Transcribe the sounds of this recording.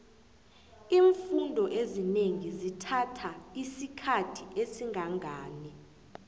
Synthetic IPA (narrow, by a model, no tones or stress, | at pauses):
iːɱfundʱɔʔezineŋizitʰatʰaisikʰatʰiʔesiŋʱaŋʱaːni